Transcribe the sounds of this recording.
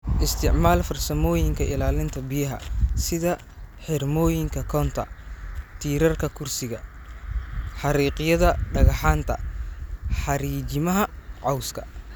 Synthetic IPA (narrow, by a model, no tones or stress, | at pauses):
ʔɪst̪ʰɪʕmaːlfɐrsɐmɔːjɪŋkʰɐɪlaːlɪnt̪ʰɐbɪjɐɦɐ̰sɪðɐ | ħɪrmɔːjɪŋkʰɐkʰɔːnt̪ʰɐ̰t̪ʰiːɾɐrkʰɐkʰʊrsɪɣɐ | ħɑɾiːqɪjɐðɐɖɐɣɐħaːnt̪ʰɐ | ħɑɾiːt͡ʃɪmɐɦɐʕɑwskʰɐ̥